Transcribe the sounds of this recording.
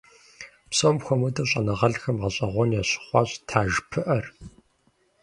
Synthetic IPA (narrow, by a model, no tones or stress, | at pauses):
psomxʷɔmɐdɐɕʼɐnɐʁɐɮxɐmʁɐɕʼɐʁʷɔnjaɕɪ̥χʷɑːɕʼtʰaːʒpʰɨʔɐr